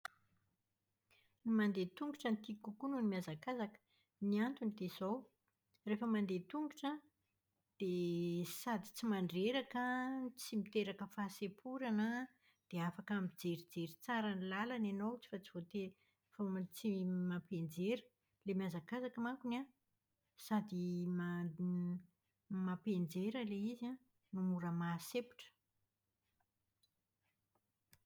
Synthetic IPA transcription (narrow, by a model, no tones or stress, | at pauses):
nimand̪et̪uŋɡuʈ͡ʂənt̪ikukununimiazakazakə̥ | niant̪unid̪ezow | refəmand̪et̪uŋɡuʈ͡ʂə | d̪̥esad̪i̥t͡simaɳɖ͡ʐeɾakət͡simit̪eɾakəfasepʰuɾanə | d̪̥eafakamid͡zeɾid͡zeɾit͡saɾanilalanenot͡si̥fat͡sivot̪e | fomt͡simapend͡zeɾə̥ | lemiazakazakəmakuna | sad̪ima | mapend͡zeɾəleiza | numuɾəmasepu̥ʈ͡ʂə̥